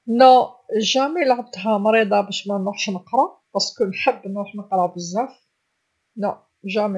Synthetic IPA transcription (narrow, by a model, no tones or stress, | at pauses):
næʒæmilʕab̚d̪ɦæmɾid̪ˤɑbæʃmænɾuħʃnəqɾˤɑb̥æskunnħəbːənɾuħnəqɾˤɑbəzːæf | no | ʒæmi